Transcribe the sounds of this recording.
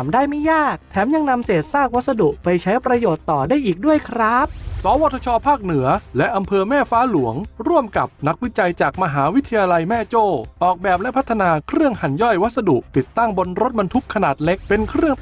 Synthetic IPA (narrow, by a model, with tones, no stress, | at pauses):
mdaː˥˩jma˥˩jaː˥˩k̚t̪ʰɛː˩˦mja˧ŋna˧mseː˨˩t̪̚saː˥˩k̚wa˦˥t̪̚sa˧du˨˩ʔpa˧jt͡ɕʰa˦˥jpɾa˧joː˨˩t̪ːɔː˨˩daː˥˩jʔiː˨˩k̚du˥˩əjkʰɾa˦˥p̚sɔː˩˦wɔː˧˩t̪ʰa˧t͡ɕʰɔː˧pʰaː˥˩k̚nɯ˩˦ɐlɛ˦˥ʔːa˧mpʰɤː˧mɛː˥˩faː˦˥lu˩˦əŋɾu˥˩əmka˨˩p̚na˦˥k̚wi˦˥t͡ɕa˧jt͡ɕaː˨˩k̚ma˧ɦaː˩˦wi˦˥t̪ʰːa˧jaː˧la˧jmɛː˥˩t͡ɕoː˥˩ʔɔː˨˩k̚bɛː˨˩p̚lɛ˦˥pʰa˦˥t̪ʰːa˧naː˧kʰɾɯ˥˩əŋha˨˩˦njɔ˥˩jwa˦t̪̚sa˧du˨˩ʔt̪i˨˩t̪ːa˥˩ŋbo˧nɾo˦˥t̪̚ba˧nt̪ʰu˦˥kʰːa˧naː˨˩t̪̚le˦˥k̚pe˧nkʰɾɯ˥˩əŋ